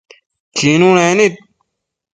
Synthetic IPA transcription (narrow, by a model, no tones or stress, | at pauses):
kʰinuːnenit̪̚